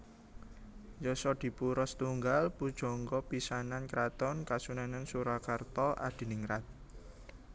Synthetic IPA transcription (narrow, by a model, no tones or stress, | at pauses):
jɔsɔd̪̥i̤puɾɔst̪uŋɡalpud̥ʒ̥ɔ̤ŋɡɔpisanankɾat̪ɔnkasunanansuɾakart̪ɔʔa̰d̪̥i̤nɪŋɾat̪̚